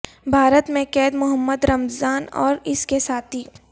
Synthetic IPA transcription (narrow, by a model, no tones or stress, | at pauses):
bʱaːɾət̪mẽkɛːd̪mʊɦəmːəd̪ɾɐmzaːnɔːɾɪskesaːt̪ʰiː